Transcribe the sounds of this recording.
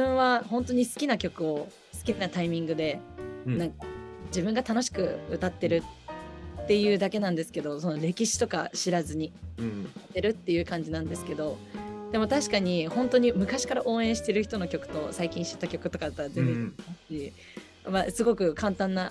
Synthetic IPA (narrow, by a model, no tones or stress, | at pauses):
ɯ̟̃ɰ̃βahõ̞nt̪o̞ɲ̟isɨ̥kʲinakʲo̞kɯ̟o̞ | sɨ̥kʲinat̪aimʲĩŋɡɯ̟d̪e̞nãŋk̚ad͡ʑibɯ̟̃ŋɡat̪ano̞ɕ̬i̥kɯ̟ɯt̪at̪ːe̞ɾɯ̟ː | e̞jɯ̟ːd̪ake̞nãnd̪esɨ̥ke̞d̪o̞so̞no̞ɾe̞kʲiɕi̥t̪o̞ka̰ɕiɾazɨɲ̟i | at̪ːe̞ɾɯ̟t̪ːe̞jɯ̟ːkãɲ̟d͡ʑinãnd̪e̞sɨ̥ke̞d̪o̞d̪̥e̞mo̞t̪aɕi̥kaɲ̟ihõ̞nt̪o̞ɲ̟imɯ̟kaɕi̥kaɾaʔo̞ːẽ̞ɰ̃ɕi̥t̪e̞ɾɯ̟çi̥t̪o̞no̞kʲo̞kɯ̟̥t̪o̞̰saikʲĩɕi̥t̪ːakʲo̞kɯ̟t̪o̞kad̪t̪ːazẽeḁɕi | masɨɡo̞kɯ̟kãnt̪ãnːa